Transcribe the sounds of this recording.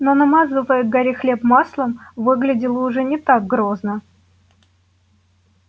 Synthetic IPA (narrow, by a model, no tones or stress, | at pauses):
nonɐmazɨvəjəɡɐɾʲixlʲe̞pmaslˠəmvɨɡlʲɪdʲɪlˠəʊʐɛnʲɪt̪aɡ̚ɡɾoznə